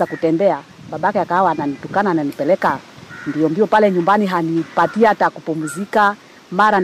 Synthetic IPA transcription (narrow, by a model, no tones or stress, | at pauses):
akutɛmbɛa | ɓaɓaakɛakahawaːnanitukanaːnanipɛlɛkandiɔmbiɔpalɛɲumbaniɦanipatiatakupumuzika | maɾa